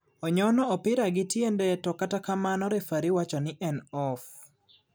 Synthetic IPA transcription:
ɔɲɔnɔɔpɪɾaɡɪtjendɛtɔkatakamanɔɾɛfaɾiwat͡ʃɔnɪʔɛnɔf

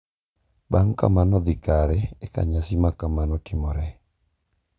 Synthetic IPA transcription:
baŋka̰manɔd̪ɪkaɾɛɛka̰ɲasimakamanɔtimɔɾɛ

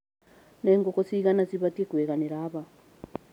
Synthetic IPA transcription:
neːŋɡokosiɣanaziβatekweɣaneɾaːβa

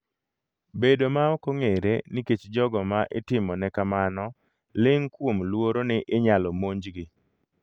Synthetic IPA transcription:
bedomaɔkoŋeɾeniket͡ʃd͡ʒɔɡɔmaʔɪtɪmɔnɛkamanɔ | lɪŋkwomlwoɾonɪʔɪɲalɔmoɲd͡ʒɡɪ

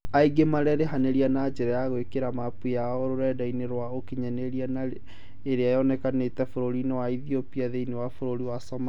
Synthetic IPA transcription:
aiɡemaɾɛɾeɦaneɾianad͡ʒɛɾajaɣwekeɾamapujaɔɾoɾɛdaineɾwaokiɲaneɾiana | eɾeajɔnɛkanetɛfoɾoɾinawaiðiopiaðeinewafoɾoɾiwasɔma

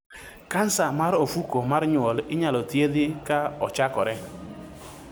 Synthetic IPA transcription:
kan̩samaɾofukomaɾɲwolɪɲalotjedɪkaɔt͡ʃakɔɾɛ

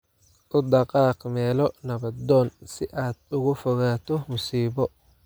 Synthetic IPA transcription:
ʔʊd̪ɑqɑːqmɛːlɔnɐβɐd̪ɔːnsɪʔaːd̪ʊɣʊfɔɣaːt̪ɔmʊsiːβɔ

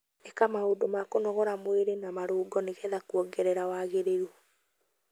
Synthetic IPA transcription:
ɛkamaodomakonɔɣɔɾamweɾenamaɾoːɡɔneɣɛðakwɔɡɛɾɛɾawaɣeɾeɾu

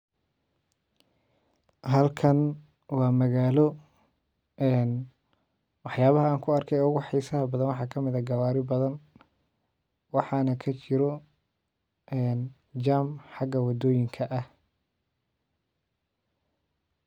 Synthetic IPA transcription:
ɦɐlkʰɐn | wɑːmɐɣaːlɔ | ɛːn | wɑħjaːβɐɦɐaːŋkʰʊɐrkʰɛjʊɣʊħɛjsɐɦɐbɐðɐnwɑħɑːkʰɐmɪðɐɡɐwaːɾɪbɐðɐn | wɑħɑnɐkʰɐt͡ʃɪɾɔ | ɛːn | d͡ʒaːmħɑɡɐwɑd̪ɔːjɪŋkʰɐʔɐh

